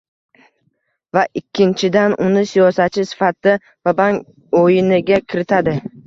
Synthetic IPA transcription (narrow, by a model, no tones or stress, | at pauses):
vaʔɪkʲʰːɪnt͡ʃʰɪd̪anʔʊnɪsijɒsat̪̚t͡ʃʰːɪsɪ̥fat̪d̪a | vabaŋ | ojɪnɪɡʲakʲʰɪɾɪt̪ʰad̪ɪ